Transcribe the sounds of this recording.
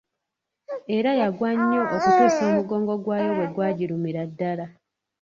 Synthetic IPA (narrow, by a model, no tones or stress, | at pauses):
e̞ɾajaɡwaɲːo̞ʔokuteːsoːmuɡo̞ːŋɡo̞ɡwaːjo̞we̞ɡwaːɟiɾumiɾadːala